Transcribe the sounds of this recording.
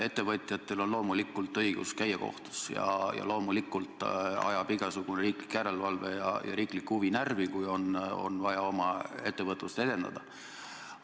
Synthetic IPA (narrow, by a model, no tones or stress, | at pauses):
e̞t̪ːˑe̞vɤt̪ʲˑjɑt̪ːˑelo̞nlo̞ːmulikːˑult̪ɤiɡ̥ṵskæjeko̞̰ht̪u̥sjɑ̰jɑ̰lo̞ːmulikːˑult̪ˑɑ̰jɑb̥iɡ̥ɑsuɡ̥uneɾiːkli̥kːjæɾe̞lvɑlvejɑ̰jɑ̰ɾiːklikhuvinærvikujo̞no̰nvɑjɑo̞mɑe̞t̪ːe̞vɤt̪ˑlust̪e̞d̪̥e̞nd̪ɑ̰d̪̥ɑ